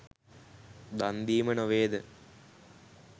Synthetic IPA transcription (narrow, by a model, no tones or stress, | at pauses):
d̪ɐnd̪iːmɐnoʋeːd̪ɨ